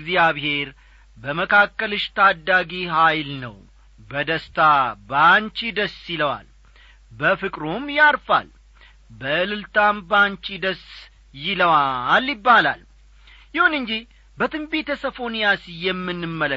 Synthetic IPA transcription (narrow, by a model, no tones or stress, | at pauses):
ɡzjaβhe̞ɾ | bəməkʰakːəlɨʃt̪ʰad̪ːaɡiɦajlnə̰w | bəd̪əst̪ʰabaɲt͡ʃid̪əsiləwa̰l | bəfɨkʼɾomjaɾfa̰l | bəɨlɨlt̪ʰambaɲt͡ʃid̪əs | jɪləwaljɪbːala̰l | jɪhunɨɲd͡ʒi | bət̪ʰɨmbet̪ʰəsəfo̞nijasjɛmːɨnːɨmːələ